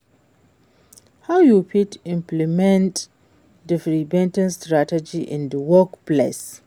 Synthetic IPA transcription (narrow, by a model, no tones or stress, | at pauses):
hawjupitɪ̃mplimɛ̃nt | difɾibɛ̃ntɪnstɾatɛd͡ʒiʔɪ̰̃ndəwɔkpla̰s